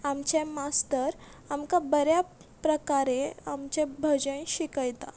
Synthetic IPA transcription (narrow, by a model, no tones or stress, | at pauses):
amt͡ɕemast̪əɾamkabəɾjapɾəkaɾeamt͡ɕebʱəd͡ʑəɽ̃ɕikəjt̪a̰